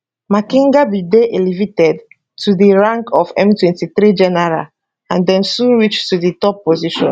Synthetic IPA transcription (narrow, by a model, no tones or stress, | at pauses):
makĩŋɡabideʔelivitɛd | tʰudiɹãŋkʰɔfɛ̰̃mtwɛ̃ntiθɾid͡ʒɛnɛɹa̰l | ãndɛ̃msũɹit͡ʃtuditɔpːoziʃɔ̰̃n